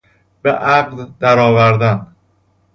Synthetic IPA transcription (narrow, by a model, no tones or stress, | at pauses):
beʔæɢd̪d̪æɾɒːvæɾd̪æn